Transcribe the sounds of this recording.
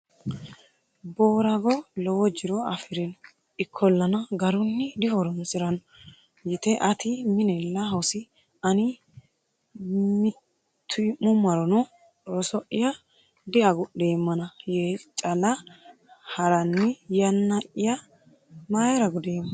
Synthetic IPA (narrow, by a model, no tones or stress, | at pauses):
boːɾɐɡɔlɔwɔd͡ʒɪɾɔɐfɪɾɛn | ɪkʰːɔlːɐnɐɡɐɾʊnːɪd̪ɪhɔɾɔnsʼɪɾɐn | jɪt̪ɛʔɐt̪ɪmɪnɛlːɐɦɐwsɪ | ɐnɪ | mɪ | t̪ʰːʊmʊmːɐɾɔnɔ | ɔsɔʔɪjɐ | d̪ɪɐɡʊɗe̞ːmːɐnɐjeːt͡ʃʼɐlɐ | hɐɾɐnːɪjɐnːɐʔɪjɐ | maːjɐɾɐɡʊd̪eːmː